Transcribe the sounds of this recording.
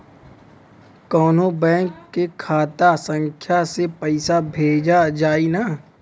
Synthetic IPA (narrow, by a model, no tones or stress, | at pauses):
kɔːnɦõbɛ̃ːŋkːekʰaːt̪asə̃ŋkʰjasepəɪsabʱeːd͡ʒad͡ʒaːinaː